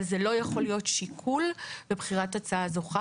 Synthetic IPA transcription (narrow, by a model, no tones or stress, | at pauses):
lzelo̞jaχo̞lijo̞tʃikʰulbebχiʁatat͡saazo̞χa